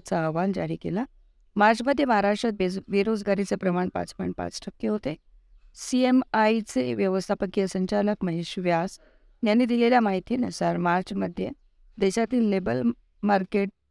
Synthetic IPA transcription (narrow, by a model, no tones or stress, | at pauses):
t͡saəʋand͡ʑaɾikela | maɾt͡ɕməd̪ʱjeməɦaɾaʂʈɾət̪̚ʋeʋiɾod͡zɡaɾit͡sepɾəmaɳpa̰t͡spɔj̃ɳʈ̚pa̰t͡sʈʰəkːeɦot̪e | siemait͡seʋjəʋəst̪ʰapəkːijəsəɲt͡ɕaləkməɦeɕʋjas | janːiːd̪ileljamaɦit̪iːnesəɾmaɾt͡ɕməd̪ʱːje | d̪ɛɕat̪iːlːebəl | maɾkeʈ̚